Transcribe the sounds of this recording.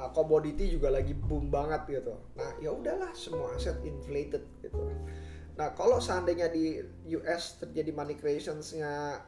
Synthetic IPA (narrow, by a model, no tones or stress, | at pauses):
komodit̪id͡ʒuɡalaɡibʊmbaŋət̪̚ɡit̪u | nahjaudahlahsəmuaasɛt̪ɪnflet̪ət̪̚ɡ̥it̪u | nahkalosəandaɲadi | juʔɛst̪ərd͡ʒadimanikɾeesɔnsɲa